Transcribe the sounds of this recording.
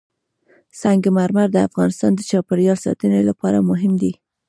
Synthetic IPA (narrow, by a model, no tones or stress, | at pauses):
saŋɡemaɾmaɾd̪əafɣɑnɪst̪ɑnd̪ət͡ʃɑpɪɾjɑlsɑ̰t̪ənelapɑɾamʊɦɪmd̪i